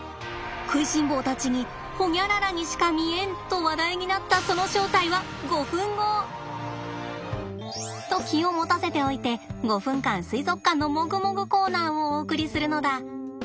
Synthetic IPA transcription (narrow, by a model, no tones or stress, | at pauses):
kɯ̟iɕĩmbo̞ːt̪at͡ɕiɲ̟i | ho̞ɲʲaɾaɾaɲ̟iɕi̥kamʲiẽ̞nt̪o̞βad̪aiɲ̟inat̪ːaso̞no̞ɕo̞ːt̪aiβa | ɡo̞ɸɯ̟̃ŋɡo̞ː | t̪o̞kʲio̞mo̞t̪ase̞t̪e̞o̞it̪e̞ɡo̞ɸɯ̟̃ŋkãñsɨizo̞kːãnːo̞mo̞ɡɯ̟mo̞ɡɯ̟ko̞ːnãːooːkɯ̟ɾʲisɨɾɯ̟no̞d̪a